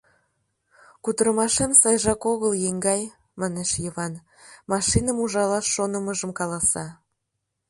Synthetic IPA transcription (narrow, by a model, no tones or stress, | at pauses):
kud̪əɾəmɑʃemsɑjʒɑkoɣəljeŋɡɑj | mɑneʃjəβɑn | mɑʃinəmuʒɑlɑʃːonəməʒəmkɑlɑsɑ